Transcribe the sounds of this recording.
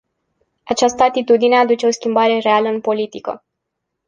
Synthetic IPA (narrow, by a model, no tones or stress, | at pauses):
at͡ʃast̪əat̪it̪ud̪ine̞ad̪ut͡ʃe̞o̞skʲimbaɾe̞re̞aləɨnpo̞lit̪ikə̰